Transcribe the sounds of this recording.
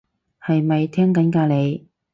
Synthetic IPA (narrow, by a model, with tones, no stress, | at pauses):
hɐ˨jmɐ˨jt̪ʰɛː˥ŋkɐ˨˥nkaː˧le˨˧j